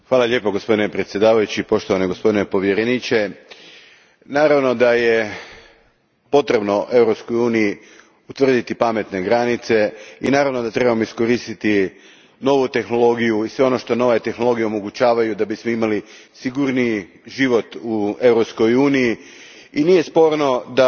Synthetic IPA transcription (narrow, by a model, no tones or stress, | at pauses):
xʋaːlalʎʲe̞ːpoɡospo̞d̪inepɾet̪sje̞d̪aːʋajut͡ɕipo̞ʃt̪o̞ʋaneɡo̞spo̞d̪ine̞po̞ʋjeɾenit͡ɕe̞ | naːɾaʋno̞d̪aje̞ | po̞t̪ɾe̞bno̞ʔe̞vɾo̞psko̞juːniji | ut̪ʋr̩d̪it̪ipame̞t̪ne̞ɡɾanit̪se̞ḭnaːɾaʋno̞d̪at̪ɾe̞bamoisko̞ɾiːst̪it̪i | no̞ʋut̪e̞xno̞lˠo̞ɡijuisʋe̞o̞no̞ʃt̪o̞no̞ʋaet̪e̞xno̞lˠo̞ɡijeo̞mo̞ɡut͡ʃaːʋajud̪abismoimalisiɡuɾni | ʒiʋo̞t̪ue̞vɾo̞psko̞juːniji | inije̞spo̞ɾno̞d̪a